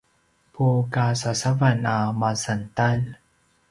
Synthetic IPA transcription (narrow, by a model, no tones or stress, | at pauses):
pʰukasasavanamasant̪an